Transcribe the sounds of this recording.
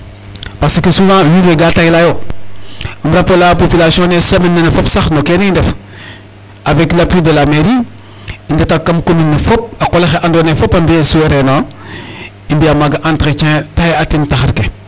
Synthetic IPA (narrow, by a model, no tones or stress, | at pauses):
pasikisumãjuɾweɡatajilajo | imɾapolapopilasiõnesaminːenefopsaxnokenendef | aveklapɾidelameɾi | indetakːamkuminːifop̚akolexeʔandonefopambiesueɾeno | imbiamaɡaʔantket͡ʃẽtajatintaxaɾke